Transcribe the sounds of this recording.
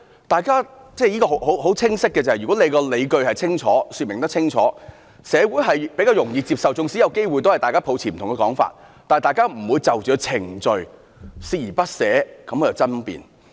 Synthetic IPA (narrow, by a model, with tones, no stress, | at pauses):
t̪aː˨jkaː˥ | t͡sɛː˥˩jiː˥kɔː˧ɦo˨˥who˨˥ɦo˨˥wt͡sʰɪ˥ŋsɪ˥kːɛː˧t͡sa˨˩hjy˨kɔ˨˥e˨˧jkɔː˧le˨˧jkɵ˧ɥhɐ˨˩jt͡sʰɪ˥ŋt͡ʃʰɔː˨˥syː˧t̚mɪ˨˩ŋt̪ɐ˥k̚t͡sʰɪ˥ŋt͡ʃʰɔ̰ː˨˥ | sɛː˨˧wuː˨˥jɦɐ˨jpe˨˥kaː˧wjʊ˨˩ŋjiː˧t͡siː˧p̚sɐ˨wt͡sʊ˨˧ŋsi˨˥jɐ˨˧wke˥jwjt̪o˥hjt̪aː˨jkaː˥pʰo˨˧wt͡sʰi˨˩m̩˨t̪ʊ˨ŋkɛ˧kɔː˨˥ŋfa̰ː˧t̚ | t̪aː˨jt̪aː˨˧jkaː˥m̩˨˩wuː˨˧jt͡sɐ˨wt͡ʃœː˨˧t͡sʰɪ˨˩ŋt͡ʃɵ˨ɥ | siː˥jiː˨˩pɐ˥t̚sɛː˨˥kɐ˨˥mːɔː˨˧jwt͡sɐ˥npḭː˨˩n